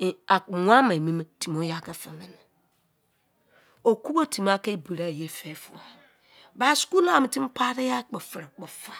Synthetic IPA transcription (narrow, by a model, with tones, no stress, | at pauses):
a˨ŋʷa˦ma˨mi˦me˦ti˨m˨o˦ja˦˨ka˦fa˨mɛ˨˦ni˨ | o˨ku˦bo˦tʰi˨m˦a˦ke˦i˦bi˨ɾa˦˨je˦˨fe˦fṵ˨a˨ | ba˦sku˦la˦˨mi˨ti˦m˦pa˦ɾe˦ja˦k͡pe˨fɾa˨k͡pe˨fa˨